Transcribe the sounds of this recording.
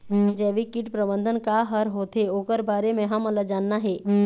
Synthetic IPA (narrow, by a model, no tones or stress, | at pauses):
d͡ʒɛːʋikɪʈpɾəbə̃nd̪ʱənkaɦəɾɦoːt̪eoːkəɾbaːɾemẽɦɐməlad͡ʒaːnːaɦɛː